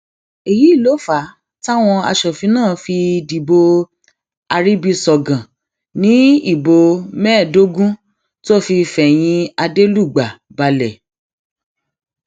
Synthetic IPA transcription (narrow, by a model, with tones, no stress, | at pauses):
e˨ji˨˦i˦˨lo˨˦fa˨˦ | ta˦w̃ɔ̃˧a̰˧ʃɔ˨fi˨˧˦nãː˦˨fi˧di˨bo˧ | a˧ɾi˦bi˧sɔ˨ɡã˨ | nĩ˨˦i˦˨bo˧mɛ˦˨do˦ɡũ˦ | to˦˨fi˧fɛ˨j̃ĩ˧a˧de˦lu˦˨ɡ͡ba˨ | ba˧lɛ˨